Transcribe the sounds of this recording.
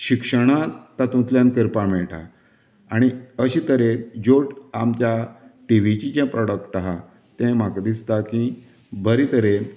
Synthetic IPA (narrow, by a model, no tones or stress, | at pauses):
ɕikʂəɽ̃at̪ãt̪ũt̪ljankəɾpãmeɭʈa̰ | aɽ̃iəɕit̪əɾed͡ʑoʈamt͡ɕjaʈiʋ̤it͡ɕid͡ʑɛ̃pɾɔɽəkʈaɦa | t̪ɛ̃makd̪ist̪akĩ | bəɾit̪əɾe